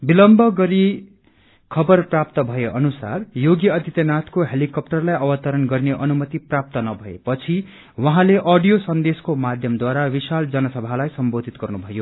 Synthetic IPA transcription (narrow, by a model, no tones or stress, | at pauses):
bilʌmbʱʌɡʌɾi | kʰʌbʌrprap̚t̪ʌbʱʌeʔʌnusa̰rjoɡjʌʌd̪ʱit̪jʌnat̪ʰkoɦelikʌp̚ʈʌrlajʌwʌt̪ʌɾʌnɡʌrneʔʌnumʌt̪iprap̚t̪ʌnʌbʱʌḛpʌt͡sʰi | wʌɦãleʔʌɖijosʌnd̪eskomad̪ʱjʌmd̪waɾawisald͡zʌnʌsʌbʱalajsʌmbod̪ʱit̪̚ɡʌrnubʱʌjo